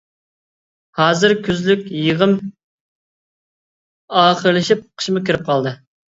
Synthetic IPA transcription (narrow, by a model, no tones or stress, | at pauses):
hɑːzɨɾkʲʰøzlykʲjəʁəm | ɑːχəɾlˠɨʃip̚qʰə̥ʃmɨkʲʰiɾɪp̚qʰɑlˠd̪ɨ